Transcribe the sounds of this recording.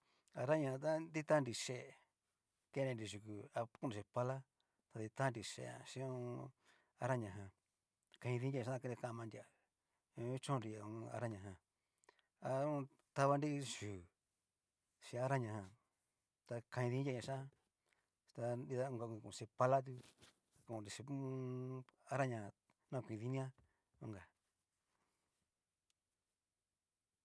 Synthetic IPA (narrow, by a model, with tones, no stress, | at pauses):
a˧ɾa˦ɲã˧ã˧t̪a˦d̪i˦t̪a˦nɾi˧ʂe˧˨ | ke˦˧˦nẽ˧ɾi˧ʒu˧˨ku˧a˧ku˦˧ũ˨ʃe˧pa˧la˦ | t̪a˧ði˧t̪a˦˧nɾi˧ʃḛ˧˨ã̰˨˧ʃĩ˦ũ˦ | a˧ɾa˦ɲã˧ɦã˧ | kã˧ĩ˧ðĩ˧˦ja˧ã˧a˦˧ke˧e˧kã˧mã˧nd̪ʲã˨˧˦ | t͡ʃõ˦˧ɾi˧a˨ũ˧a̰˧ɾa˦ɲã˧ɦã˧ | a˧ũ˦˧ | t̪a˧βa˧ndi˦˧ʃu˨ | ʃĩ˧a˧ɾa˦ɲã˧hã˧ | t̪a˧kã˧ĩ˧ðĩ˧˦jʲa˧ɲã˧ʃã˦˧ | t̪a˧i˧ða˦˧ũ˧ɡa˧kʷĩ˧˨kũ˨˧se˧pa˧la˦t̪̬u˧ | kõ˨˧ɾi˧˨i˧˦˧a˧ɾa˦ɲã˧hã˧ | nã˦˧kʷĩ˧ði˧nĩ˦ã˦ | ṵ̃˧˦ŋɡa˨